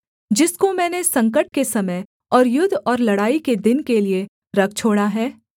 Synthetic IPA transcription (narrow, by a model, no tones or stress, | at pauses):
d͡ʒɪskomɛ̃ːnesɐ̃ŋkəʈ̚kesɐməj | ɔːɾjʊd̪ʱːɔːɾlɐɽaːiked̪ɪnkelie | ɾɐk̚ʰt͡ʃʰoːɽaɦɛː